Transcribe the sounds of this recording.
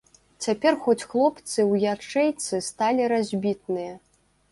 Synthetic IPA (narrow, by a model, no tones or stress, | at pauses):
t͡sʲapʲɛrxɔt͡sʲxlˠɔpt̪sɨwjat͡ʂɛjt̪sɨst̪alʲiɾazʲbʲit̪̚nɨjɐ